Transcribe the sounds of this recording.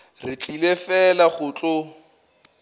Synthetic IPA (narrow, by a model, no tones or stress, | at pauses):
rɪt͡ɬʼilefɛlaχʊt͡ɬʼʊ